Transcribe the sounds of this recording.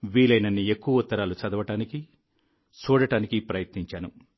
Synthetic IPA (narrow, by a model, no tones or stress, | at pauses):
ʋiːlɐjnɐnːie̞kːuʋɐut̪ːɐɾaːlut͡ʃɐd̪ɐʋɐʈaːniki | t͡ʃuːɽɐʈaːnikipɾɐjɐt̪niɲt͡ʃaːnṵ